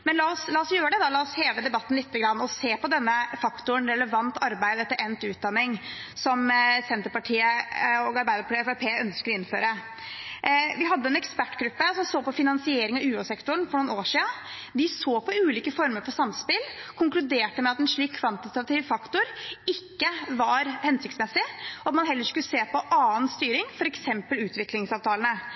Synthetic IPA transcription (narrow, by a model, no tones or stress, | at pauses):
mɛnlɑːɔslɑːɔsjøːɾəɖɛd̪ɑlɑːɔsheːləd̪ɛbɑt̪ːn̩lɪt̪ːəɡɾɑnːɔseːpɔd̪ɛnːəfɑkt̪ʊənɾɛləʋɑnt̪ʰɑɾbæɪd̪ɛt̪ːəɾʔɛnt̪ʉːt̪̚d̪ɑnːɪŋ | sɔmsɛnt̪əɾpɑʈʰiːəɔɡɑɾbæɪd̪əɾpːfɛpʰeːœnskəɾɔɪnføːɾə | ʋɪɦɑd̪ːəɛnɛkspæʈːɡɾʉpːəsɔmsoːpɔfɪnɑnsɪeːɾɪŋɑʉːɔsɛkt̪ʊɳfɔɳuːnoːʂiːɑd̪ɪsoːpʰɔʉːliːkəfɔɾməɾfɔɾsɑmspɪlkʰʊŋklʉd̪eːʈəmɛɑt̪ɛnʂɭiːkʰːʋɑnt̪ɪt̪ɑt̪iːʋfɑkt̪ʊɾɪkːəʋɑɾhɛnsɪkt̪smɛsːɪɔɑt̪mɑnɦɛlːəɾskʉlːəseːpʰɔʔɑːnst̪yːɾɪŋfɔɾɛksɛmpəlʉːt̪ʰʋɪklɪŋsɑːʋt̪ʰɑːlənə